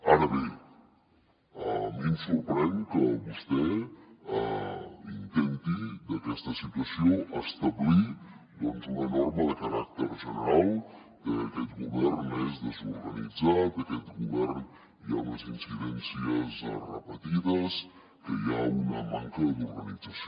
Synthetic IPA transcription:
aɾəβe | əminsuɾpɾɛnkəbust̪ɛəint̪ɛnt̪id̪əkɛst̪əsit̪uəsioʔast̪əblid̪ɔnzunənɔrməðəkaɾa̰k̚t̪əɾʒənəɾalˠ | kəːkɛt̪ɡuβɛɾnezd̪əzuɾɣənid͡zat̪əkɛt̪ɡuβɛɾn | ijanəzinsiðɛnsiəzərəpət̪iðəs | kəjaunə̰maŋkəd̪uɾɣənid͡zəs

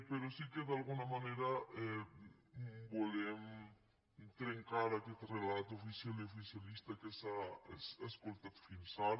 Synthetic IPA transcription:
peɾosikeðalɣunamaneɾae | bolem | t̪ɾeŋkaɾaket̪relat̪oofisjaleofisjalist̪akesaeseskolt̪at̪finsaɾ

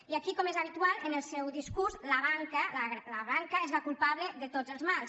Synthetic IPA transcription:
iakikɔmezaβ̞it̪ualˠənəlˠsɛwðiskuɾzlaβaŋkəlalaβaŋkaezβakulˠpaβləðət̪ozəlˠzmalˠs

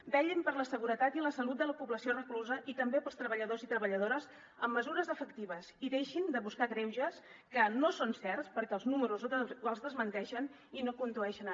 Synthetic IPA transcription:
bɛʎəmpəɾləsəɣuɾət̪at̪iləsəlut̪̚d̪ələpuβləsiorəkluzəʔit̪əmbepəlˠst̪ɾəβəʎəðozit̪ɾəβəʎəðoɾəz | əmːəzuɾəzəfəkt̪iβəziðeʃind̪əβuskakɾɛwʒəs | kənosonsɛrspəɾkɛlˠznuməɾuzəlˠzðəzmənt̪ɛʃən | inokund̪uɛʃən

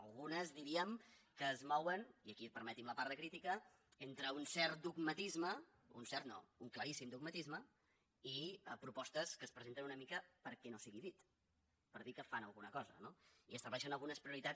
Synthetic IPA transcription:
əlˠɣunəzðiɾiəmkəːzmɔwəniəkipəɾmət̪imləpaɾðəkɾit̪ikə | ent̪ɾəunsɛɾt̪̚d̪uɡmət̪izmə | unsɛɾt̪no̰uŋkləɾisimd̪uɡ̚mət̪izmə | iəpɾupɔst̪əskəːspɾəzent̪ənunəmikəpəɾkɛnosiɣiðit̪ | pəɾðikəfanəlˠɣunəkɔzə̰noiəst̪əβlɛʃənəlˠɣunəspɾiuɾit̪a

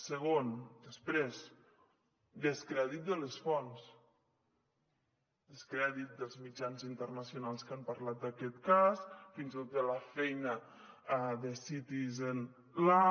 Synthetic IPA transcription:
səɣ̞ond̪əspɾez | d̪əskɾɛðit̪̚d̪ələsfɔns | d̪əskɾɛðit̪̚d̪əlˠzmid͡ʒanzint̪ərnəsiunalˠskampəɾlat̪̚d̪akɛt̪kasfinzit̪ot̪̚ələfɛjnə | aðəsit̪izen | la

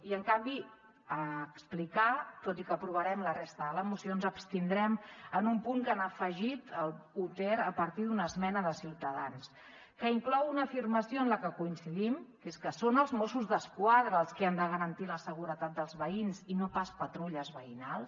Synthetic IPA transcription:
iəŋkambi | əksplikat̪ot̪ikəpɾuβəɾɛmlərest̪əðələmusionzəpst̪ind̪ɾɛmənumpuŋkanəfəʒit̪əlˠut̪ɛɾəpəɾt̪iðunəzmɛnəðəsiwt̪əðans | kəiŋklɔwunəːfirməsioənləkəkuinsiðimkeskəsonəlˠzmosuzðəskwaðɾəːlˠskiand̪əɣəɾənt̪iləsəɣ̞uɾət̪at̪̚d̪əlˠzβəinzinopaspət̪ɾuʎəzβəinalˠs

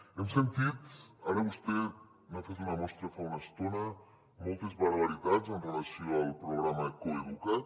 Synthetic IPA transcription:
emsent̪it̪aɾeust̪e | mafet̪unamost̪ɾafaunast̪ona | molˠt̪ezβaɾβaɾit̪azent̪olasioalpɾoɣɾamaðekoiβuka

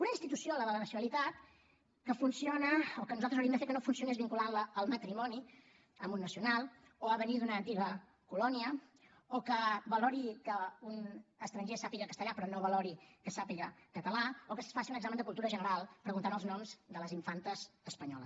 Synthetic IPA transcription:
unəinst̪it̪usioləðələnəsjunəlit̪at̪ | kəfunsionəokənuzalt̪ɾəzuwɾiemd̪əfeɾkənofunsiunezβiŋkulanləːlˠmət̪ɾimɔni | əmbunːəsiunalˠ | oaβənid̪unəːnt̪iɣə | kulɔniə | okəβəlɔɾikəunəst̪ɾəɲʒesapiɣəkəst̪əʎapɾɔnoβəlɔɾikəsapiɣəkət̪əlaokəssfasiunəɡzamənd̪əkulˠt̪uɾəʒənəɾalˠpɾəɣunt̪anəlˠznɔmzd̪ələziɱfant̪əzəspəɲɔ̰lə̰s

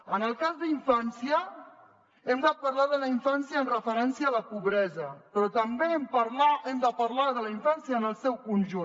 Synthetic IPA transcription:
ənəlˠkazðiɱfansiə | ɛmd̪at̪̚pəɾlaðələiɱfansjəəːnrəfəɾɛnsiəːləpuβɾɛzəpɾɔt̪əmbeempəɾlaʔɛmd̪əpəɾlaðələiɱfansiəːnəlˠsɛwkunʲʒu

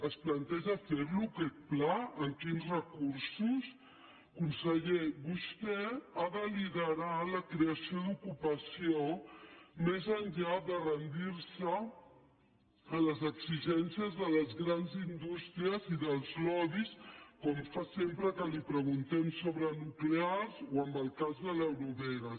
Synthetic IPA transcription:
əsplənt̪ɛʒəfeɾlukɛt̪̚plaəŋkinzrəkuɾsus | kunsəʎeβust̪ɛaðəliðəɾaləkɾeəsioðukupəsio | mezəɲʎad̪ərənd̪iɾsə | ələzəɡziʒɛnsiəzðələzɣɾanzind̪ust̪ɾiəziðəlˠzlɔβiskɔmfasempɾəkəlipɾəɣ̞unt̪ɛmsoβɾənuklearzoəmbəlˠkazðələwɾuβɛɾə

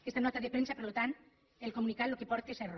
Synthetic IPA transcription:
est̪anɔt̪aðepɾensapeɾlot̪ant̪ | elkomunikat̪lokepɔɾt̪eser

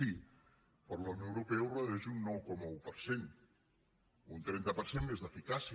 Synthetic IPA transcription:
i | pəɾləwnəwɾupɛurəðuɛʒunːɔwkɔmaupəɾsen | unt̪ɾɛnt̪əpəɾsenmezðəfikasi

